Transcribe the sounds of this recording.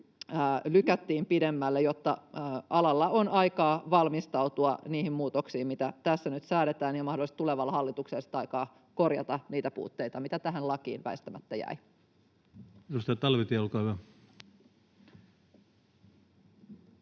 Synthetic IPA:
lykæt̪ːiːmpidemːælːejot̪ːɑɑlɑlːɑʔonɑikɑːʋɑlmist̪ɑut̪uɑniːhimmuːt̪oksiːmmit̪æt̪æsːænyt̪sæːɾet̪æːniomɑhdolist̪uleʋɑlːɑhɑlːit̪ukselsi̥t̪ɑikɑː | ko̞rjɑ̰t̪ɑniːt̪æpṵːt̪ːeit̪ɑmit̪æt̪æɦænlɑkḭːnʋæ̰est̪æmæt̪ːæjæ̰i | edust̪ɑjɑt̪ɑlʋit̪iolkɑːhyæ

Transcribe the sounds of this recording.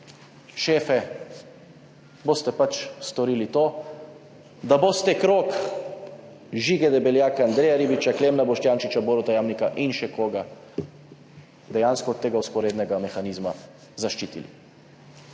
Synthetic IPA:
ʃeːfɛ | boːst̪ɛpat͡ʃst̪ɔɾiːlit̪oː | d̪abost̪ɛkɾoːk | ʒiːɡɛd̪ɛbɛljaːkɛand̪ɾeːjaɾiːbit͡ʃakleːmnabɔʃt̪jaːnʃit͡ʃaboːɾɔt̪ajaːmnikaʔinʃɛkoːɡa | d̪ɛjanskɔɔt̪ːeːɡauspɔɾeːd̪nɛɡamɛxaniːzma | zaʃt͡ʃiːt̪ḭlḭ

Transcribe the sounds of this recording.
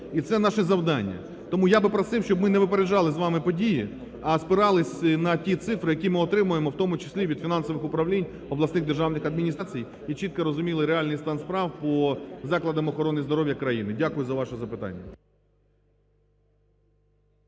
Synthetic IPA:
it̪sɛnɑʃɛzɐwd̪ɑnʲːɐ̰ | t̪ɔmujabɪpɾɐsɪwʃt͡ʃɔbmɪnɛʋɪpeɾed͡ʒɑlˠɪzʋɑmɪpɔdʲiji | ɐspɪɾɑlˠɪsʲnɐtʲit̪sɪfɾɪjɐkʲimɪɔt̪ɾɪmʊjemɔwt̪ɔmʊt͡ʃɪ̥sʲlʲiʋʲid̪̥fʲinɑnsɔʋɪxʊpɾɐʋlʲinʲ | ɔblˠɐsnɪɣd̪erʒɑwnɪxɐd̪mʲinʲist͡sʲij | it͡ʃit̪̚kɐɾɔzʊmʲilˠɪɾealʲnɪjst̪ɑnspɾɑwpɔzɑklˠɐd̪ɐmɔxɔɾɔnːɪjzd̪ɔɾɔʋʲjɐkɾɐjinɪdʲakʊjʊzɐʋɑʃɛzɐpɪt̪a̰nʲːɐ̰

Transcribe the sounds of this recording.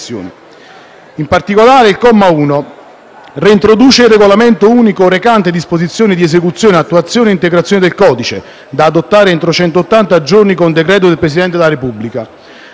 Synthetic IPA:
jo̰ːni | impart̪ikolaːɾeilkɔmːauːno | riint̪ɾod̪uːt͡ʃeilreɡolament̪ouːnikoɾekant̪ed̪ispozit̪sːjoːnid̪iesekut̪sːjoːneat̪ːuat̪sːjoːneint̪eɡɾat̪sjoned̪elkɔːd̪it͡ʃe | d̪aːd̪ot̪ːaːɾeent̪ɾot͡ʃɛnt̪oːt̪ːant̪ad͡ʒornikond̪ekɾɛːt̪od̪elpɾesid̪ɛnt̪̬ed̪elaɾepubːlika

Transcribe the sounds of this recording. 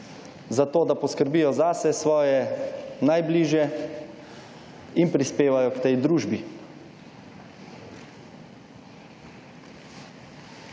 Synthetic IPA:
zat̪oːd̪apɔskəɾbiːjɔzasɛsʋɔːjɛnajbliːʒjɛ | inpɾispeːʋajɔkt̪ɛjd̪ɾuːʒbi

